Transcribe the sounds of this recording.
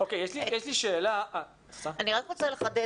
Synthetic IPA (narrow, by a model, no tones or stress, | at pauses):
okejeʃlijɛʃliʃe̞ːlaʔa | eχtaaniʁakmot͡saleχad̪e